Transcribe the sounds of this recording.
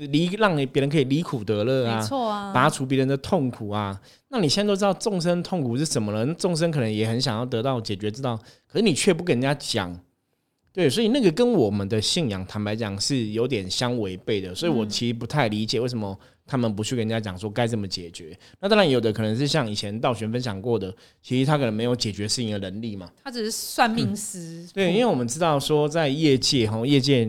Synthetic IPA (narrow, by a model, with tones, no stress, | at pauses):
li˧˥ɻɑ˥˩ŋi˨˩pjɛ˧˥ɻə˧nkʰɤ˧i˨˩li˧˥kʰu˨˩t̪ɤ˧˥lɤə˥˧˩a˨˩˥pa˨a˥ʈ͡ʂʰu˧˥p̬jɛ˧˥ɻə˧˦nd̪ə˧t̪ʰo˥˩ŋkʰu˨˩a˦ | na˥˩ni˨˩ɕɛ˥˧˥to˥˦ɑ˥˧ʊʈ͡ʂʊ˥˨ŋʂ̬ə˦˥nt̪ʰo˥˩ŋkʰu˨˩ʂɻ̩˥˩ʂə˧˥nmə˧lə˨˦na˥˧ʈ͡ʂʊ˥˨ŋs̬ə˥nkʰɤ˨˩nə˧˦jɛ˨˩xə˧˦nɕjɑ˨˩ŋjɑ˥˩ʊt̪ɤ˧˥t̪ɑ˥˩ʊt͡ɕjɛ˨˩t͡ɕɥɛ˧˥t͡sɻ̩˥t̪ɑ˥˩ʊkʰə˨˩ʂɻ̩˥˩ni˨˩t͡ɕʰɥɛ˥˩p̬u˧˥kə˥˩na˨˩t͡ɕja˥t͡ɕjɑ̰˨˩ŋ | t̪we˥˩ɪs̬wɔ˧˥i˨˩na˥˩ɡə˩kə˦˥nwɔ˨˩mə˦nd̪ə˨ɕi˥˩njɑ˨˩ŋt̪ʰa˧˥npa˧˥ɪt͡ɕjɑ˨˩ŋʂɻ̩˥˩jo˧˥ʊt̪̬jɛ˨˩nɕjɑ˦ŋwe˧˥ɪpe˥˩ɪd̪ə˩swɔ˧˥i˨wɔ˨˩t͡ɕʰi˧˥ʂpu˧t̪ʰa˥˩ɪli˧˥t͡ɕjwe˥˩ɪs̬ə˦mə˨ | t̪ʰa˥mə˨np̬u˧˦t͡ɕʰy˥˩kə˥n˨˩ja˥t͡ɕjɑ̰˨˩ŋʂ̬wɔ˥˧ka˥ɪt͡sɤ˥˩mə˨˩t͡ɕjɛ˨˩t͡ɕɥɛ˧˦na˥˩t̪ŋɻa˧˦njo˨˩ʊd̪ə˦kʰɤ˨˩nə˧˦ŋʂ̬ɻ̩˥˧ɕjɑ˥˩ŋi˨˩t͡ɕʰjɛ˧˦nt̪ɑ˥˩ʊɕɥɛ˧˥nfə˦nɕ̬jɑ˨˩ŋkwɔ˥˩d̪ə˩ | t͡ɕʰi˧˥ʂi˧˥t̪ʰa˥kʰɤ˨˩n˧˥me˧˥ɪjo˧˥ʊt͡ɕjɛ˨˩t͡ɕɥɛ˧˥ʂɻ̩˥˩i˥˩ŋd̪ə˩nə˧˥nli˥˩ma˩t̪ʰa˥ʈ͡ʂɻ̩˨˩ʂ̩˥˧swa˥˧nmi˥˧ŋs̩˥t̪we˥˩i˦we˥˩wɔ˨mə˦nʈ͡ʂɻ̩˥t̪ɑ˥˩ʊʂwɔ˥t͡sa˥˧ɪjɛ˥˧t͡ɕjɛ˥˩ɦɔ˥˧jɛ˥˧t͡ɕjɛ˥˧